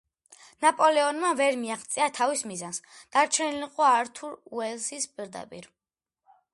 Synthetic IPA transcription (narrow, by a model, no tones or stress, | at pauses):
napʼɔlɛɔnmavɛɾmiaχt̪sʼiat̪ʰavismizansd̪̥aɾt͡ʃʰɛniliqʼɔaɾt̪ʰuɾuɛlsispʼiɾd̪a̰pʼḭɾ